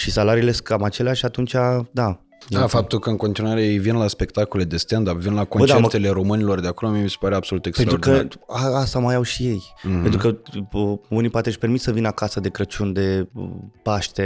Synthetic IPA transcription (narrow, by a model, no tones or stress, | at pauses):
ʃisalaɾiːle̞skamat͡ʃe̞leaʃat̪unt͡ʃad̪a | d̪afap̚t̪ulkəɨnŋko̞nt̪inuaɾe̞jejvinlaspe̞kt̪ako̞le̞d̪e̞st̪and̪apvinlakonbət͡ʃd̪at̪e̞le̞ɾo̞mɨnʲilo̞rd̪eako̞lomiemisepaɾeabsolut̪ekstenɾaordk̪iəaast̪amajawʃije̞jpent̪ɾukə | unipoat̪eʃʲpe̞rmit̪səvinəakasəd̪e̞kɾət͡ʃund̪e̞paʃt̪e̞